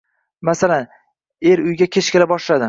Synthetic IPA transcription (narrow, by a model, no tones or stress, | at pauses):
masalan | e̞ɾʊjɡʲakʲʰet͡ʃkʲʰɪlabɒʃlad̪ɪ